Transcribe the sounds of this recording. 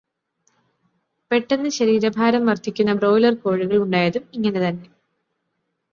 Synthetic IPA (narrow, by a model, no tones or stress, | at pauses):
pe̞ʈːenːɨɕɐɾiːɾɐbʱaːɾɐmʋɐrt̪ʰikʲːunːɐbro̞ːlɐrko̞ːɻiɣɐɭuɳɖaːjɐðumiŋːɐne̞t̪ɐnːe̞